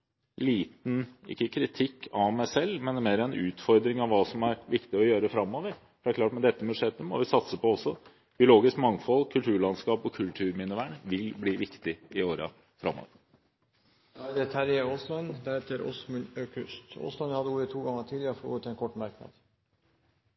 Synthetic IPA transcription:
liːt̪nɪ̰kːəkʰɾɪt̪ʰɪkːʰɑʋmæɪsɛlːmɛnːəmeːɾəɛnʉːt̪fɔɾd̪ɾɪŋɑʋʋɑːsɔmæɾʋɪkt̪ɪɔjøːɾəfɾɑmːoːʋəɾfɔd̪æɾkʰlɑːʈmɛd̪ɛt̪ːəmʉʂɛt̪ːəmɔ̰ʋɪsɑt̪səpɔɔsːɔ | b̥ɪʊloːɡɪskmɑŋfɔlːkʰʉlt̪ʰʉːɭɑnskɑːpɔkʰʉlt̪ʰʉːɾmɪnəʋæːɳʋɪlbliːʋɪkt̪ɪɪoːɾɑ̰ | fɾɑ̰mːɔ̰ːʋəɾ | d̪ɛt̪ʰæɾjɛoːslɑnd̪æɾheːt̪əɾɔ̰smʉnøːkʰʉst̪o̰ːslɑnjhɑd̪ːəuːɾət̪ʰuːɡɑŋːəʈʰiːd̪lɪəɾfɔɾṵːɾət̪ʰɛnkʰɔʈːmɑɾknɑ̰d̪

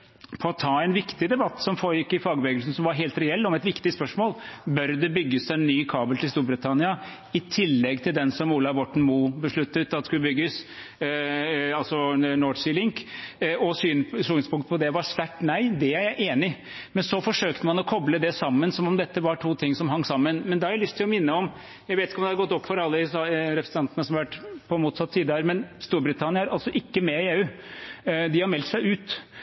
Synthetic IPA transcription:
pʰɔːt̪ʰɑːɛɪnʋɪkt̪ɪd̪ɛbɑt̪ːsɔmfoːɾjɪkːɪfɑːɡəʋɛːɡlsn̩sɔmʋɑɾɦeːlt̪ɾɛɛlːɔmɛt̪ʋɪkt̪ɪspœʂmoːlbœɾd̪ɛbʏɡːəsɛnːyːkʰɑːbəlt̪ʰɪlst̪uːɾbɾət̪ʰɑnɪɑ | ɪt̪ʰɪlːɛɡːt̪ʰɪld̪ɛnsɔmuːlɑʋɔʈɳ̩muːbəʂɭʉt̪ːət̪ːɑt̪d̪skʉləbʏɡːəs | ɑlsɔnɔːsɪlɪŋkɔsyːnsuːnspʰʊŋkt̪pʰɔd̪ɛʋɑʂʋ̪æʈːnæɪd̪ɛæɾjæɪʔeːnɪ | mɛnsɔfɔʂøːkt̪əmɑnɔkʰɔbləd̪ɛsɑmːənsɔmɔmd̪ɛt̪ːəʋɑʈʰuːt̪ʰɪŋːsɔmɦɑŋːsɑmːənmɛnd̪ɛhɑɾjæɪlʏst̪ʰɪlɔmɪnːəɔm | jæɪʋeːt̪ɪkəɔmd̪ɛɑdɾɡɔt̪ːɔpːfɔɾɑlːəsɾɛpɾəsənɑnt̪nəsɔmɑʋæʈːpʰɔmuːt̪sɑt̪ːsiːd̪əæɾmɛnst̪uːɾbɾɪt̪ʰɑnɪəæɾʔɑlsɔʔɪkːəmɛɪeːʉː | d̪ɪhɑɾmɛlt̪sæɪʉːt̪

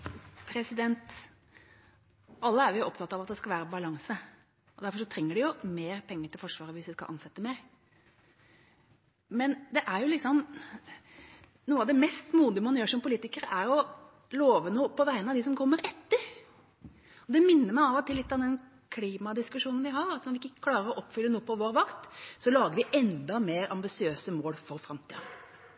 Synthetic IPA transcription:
pʰɾɛsɪd̪ɛnt̪ | ɑlːəæɾjʊjʊɔpt̪ʰɑt̪ːɑʋɑt̪̚d̪ɛskɑlʋæːɾəbɑlɑŋsə | ɔd̪æɾfɔʂɔt̪ʰɾɛŋːəɖɪjʊmeːɾpʰɛŋːət̪ɪlfɔʂʋɑːɾəʋɪsʋ̪ɪskɑ̰lʔɑ̰nsɛt̪ːəmɛɾ | mɛnd̪ɛʔæɾjʊlɪksɔm | nuːəɑʋd̪ɛmɛst̪muːd̪ɪmɑnjøːʂɔmpʊliːt̪ɪkəɾəæɾɔ | loːʋənuːpʰɔʋæɪənɑʋd̪ɪsɔmkʰɔmːəɾɛt̪ːəɾ | ɔd̪ɛmɪnːəɾmæɪɑʋɔt̪ʰɪlːɪt̪ːɑʋd̪ɛn | kʰliːmɑd̪ɪskʉʂuːnən̩ʋɪɦɑɾɑt̪sɔmʋɪkːɪkːə̥kʰlɑːɾəɾɔʔɔpːfʏlːənuːəpɔʋoːɾʋɑkt̪sɔlɑːɡəɾʋɪʔɛnd̪ɑmeːɾɑ̰mbɪsɪøːsəmoːlfɔɾfɾɑmt̪ʰḭːɑ

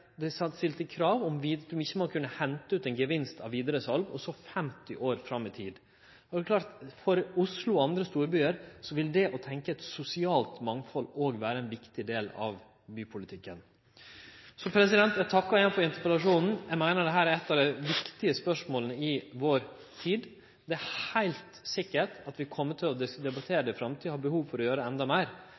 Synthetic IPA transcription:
d̪ɛsɑst̪ɪlt̪əkʰɾɑːʋɔmʋid̪ʉmɪçːəmɔkʰʉnːəhɛnt̪əʉːt̪ɛɪnɡəʋɪnst̪ɑ̰ʋʋiːd̪əɾəsɑlʋɔsɔfɛmt̪ɪʔoːɾfɾɑmːɪt̪ʰiːd̪ | ɔd̪ɛkʰlɑːɾt̪fɔɾʊslʊɑnd̪ɾəst̪uːɾbyːəɾsɔʋɪld̪ɛʔɔt̪ʰɛŋkəɛt̪sʊsɪɑːlt̪mɑŋfɔloːɡʋæːɾəɛnʋɪkt̪ɪd̪eːlɑ̰ʋ | byːpʰʊlɪt̪ʰɪkːən | sɔpʰɾɛsɪd̪ɛnt̪jæt̪ʰɑkːɑjɛnfɔɾɪnt̪əɾpəlɑʂuːnn̩jæɪmæɪnəɖɛɦæːɾæɾɛt̪ːɑʋd̪ɛɪʋɪkt̪ɪəspœʂmoːlənəɪʋoːɾ | t̪ʰiːd̪ | d̪ɛæhæɪlt̪sɪkːəʈɑt̪ʋɪkʰɔmːət̪ʰɪlɔd̪ɛd̪ɛbɑt̪ʰeːɾəɖ̪ɛfɾɑmt̪ʰiːəhɑbəhuːʋfɔɾɔjøːɾəɛnd̪ɑmæɪɾ

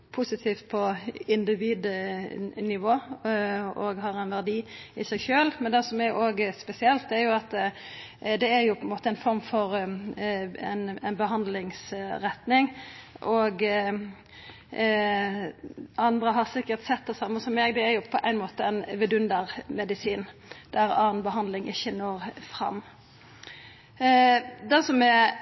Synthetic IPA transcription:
pʰʊsɪt̪ʰiːft̪̚pʰɔɪnd̪ɪʋiːd̪ | nɪʋoː | ɔɡɦɑʁɛnʋæʁd̪iːɪsæɪʃøːlmɛnd̪ɛsɔmæɾʔoːɡspɛsɪɛlt̪æɾjʊɑt̪ | d̪ɛæɾjʊpʰɔɪnmoːt̪əæɛɪnfɔʁmfɔʁ | ɛnænbəɦɑnd̪lɪŋsɾɛt̪nɪŋʔɔɡ | ɑnd̪ɾəɦɑʁsɪkːəɾt̪sɛt̪̚d̪ɛsɑmːəsɔmːeːɡd̪ɛæɾjʊpʰɔʔæɪnmoːt̪əɛnʋɛd̪ʉnd̪əɾmɛd̪ɪsiːnd̪̥æɾɑːnbəɦɑnd̪lɪŋʔɪçːənoːɾfɾɑ̰mː | d̪ɛsɔmɛ

